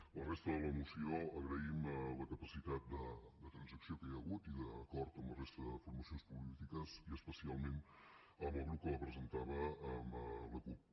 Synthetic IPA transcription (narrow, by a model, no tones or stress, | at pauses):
lərest̪əðələmusioəɣɾəimələkəpəsit̪at̪̚d̪əd̪ət̪ɾənzəksiokəjəɣut̪iðəkɔɾt̪əmlərest̪əðəfuɾməsionspulit̪ikəziəspəsialˠmen | əβoɾlukələpɾəzənt̪aβəːmləkup̚